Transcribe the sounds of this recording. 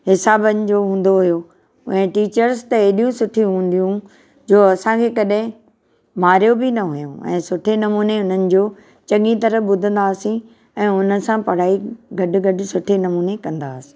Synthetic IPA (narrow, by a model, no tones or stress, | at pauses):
ɦɪsaːbənɪ̆d͡ʑoːɦũːn̆d̪oɦʊjo | ʊ̰ɛ̃ʈiːt͡ɕəɾst̪ɐeɗijũsʊʈʰijũɦũːn̆d̪ijũ | d͡ʑoːɐsãkʰeːkɐɗɦɪ̃ | maːɾjobɪnɐɦʊjũɛ̰̃ːsʊʈʰenɐmuːneʊn̤ənɪ̆d͡ʑoː | t͡ɕɐŋĩt̪ɐɾəɓʊd̪ʱə̃nd̪aːsĩ | ɛ̃ːʊnəsãpɐɽ̤aːiɡɐɖɪ̆ɡɐɖ̆sʊʈʰenɐmuːnekɐ̃nd̪aːsĩ̥